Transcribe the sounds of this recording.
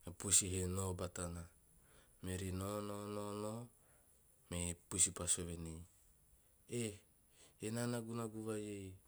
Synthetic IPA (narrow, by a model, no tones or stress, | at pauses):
epusiɦenobatana | meɾinononono | mepusipasoβenij | e | enanaɡunaɡuβajej